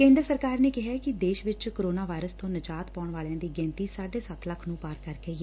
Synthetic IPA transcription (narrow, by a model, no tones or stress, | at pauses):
kẽːnd̪ɾəsəɾkaːɾneːkɪɦaːkɪd̪eːʃʋɪt͡ʃkoɾoːnaːʋaːɪɾəst̪õːnəd͡ʒaːt̪paːʊɳʋaːljãːd̪iːɡɛ̃ːnt̪iːsaːɖeːsət̪ləkʰnũːpaːɾkəɾɡəiːɛ